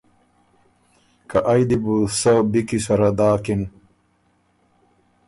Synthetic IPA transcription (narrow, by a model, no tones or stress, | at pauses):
kɐʔajd̪ibusɐbikisɐɾad̪aːkin